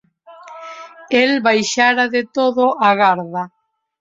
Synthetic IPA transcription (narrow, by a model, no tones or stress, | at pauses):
elβajʃaɾaðet̪oðʊaɣaɾða